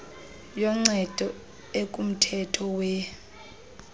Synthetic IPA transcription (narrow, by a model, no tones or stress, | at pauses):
jɔŋ͡ǀɛd̥ʱɔ | ekʼum̩tʰɛtʰɔwɛ